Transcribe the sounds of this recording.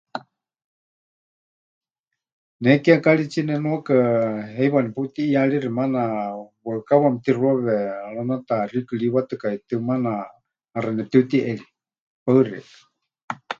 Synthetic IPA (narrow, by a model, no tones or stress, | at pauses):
nɛkiakaɺit͡ʃinɛnuakaɦɛjβanɛput̪iːaɺirimanawakawamt̪iruɔβɛɺanat̪arikɨɺiwat̪ɨkait̪ɨmanaː | ranɛt̪ɨut̪iʔɛɺi | paɨrḭk